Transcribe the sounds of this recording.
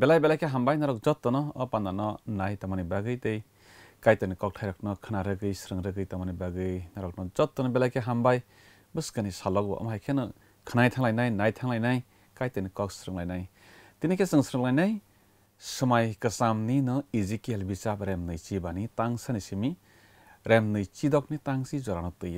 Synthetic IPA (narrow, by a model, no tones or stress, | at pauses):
belajbelajkʰeɦambajnaɾɔk̚zɔt̪ːɔnɔːpandanɔnajtamɔnibaɡɯjtej | kajtɯnikɔk̚tʰajɾɔk̚nɔkʰɯnaɾɯɡɯjsɾɯŋɾɯɡɯjtamɔnibaɡɯjnaɾɔk̚nɔzɔtːɔnɔbelajkʰeɦambaj | bɯskɯnisalɔk̚bɔ̰ʔɔ̰mɦajkʰenɯ | kʰɯnajtʰaŋlajnajnajtʰaŋlajnaj | kajtɯnikɔk̚sɾɯŋlajnaj | tinekʰesɯŋsɾɯŋlajnaj | sɯmajkɯsamninɯizikielbisapɾemnɯjt͡ʃibanitaŋsanisimi | ɾemnɯjt͡ʃidɔk̚nitaŋsizɔɾanɯtɯjɯ